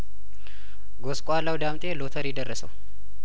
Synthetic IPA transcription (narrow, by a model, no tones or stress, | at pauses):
ɡoskʼalawd̪amt̪ʼelot̪ʰəɾjɪd̪ərːəsə̰w